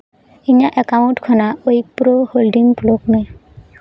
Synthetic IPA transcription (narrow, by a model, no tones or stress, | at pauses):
iɲaʔɛkamuʈkʰɔnaoik̚puɾoholɖiŋploknɔ